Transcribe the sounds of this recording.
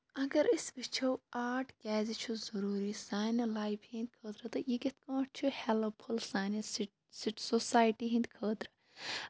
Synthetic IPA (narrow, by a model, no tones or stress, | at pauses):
ɐɡɐɾisbit͡ʃʰɐwaːʈʰkʲɛːzit͡ʃʰuzɐɾuːɾisaːnɐlaːipʰhĩːnd̪̚ʲkʰəːd̪ɾɐt̪ɨjiket̪̚kãːʈ̚ʰt͡ʃʰuhɛlɐpʰulsaːnɐsi | siʈsosaːjʈiɦĩnd̪̚ʲkʰəːd̪ɾɐ